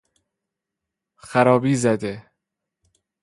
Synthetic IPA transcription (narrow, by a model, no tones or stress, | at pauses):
xæɾɒːbiːzæd̪e